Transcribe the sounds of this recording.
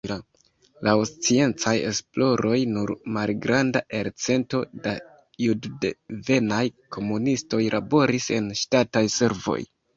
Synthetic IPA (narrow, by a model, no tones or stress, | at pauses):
a | laost͡sie̞nt͡saje̞̰splo̞ɾo̞jnuɾmalɡɾanda̰ʔe̞ɾt͡se̞nto̞da | juddve̞najkʰo̞munisto̞jlʔabo̞ɾise̞nʃtatajse̞ɾvo̞̰j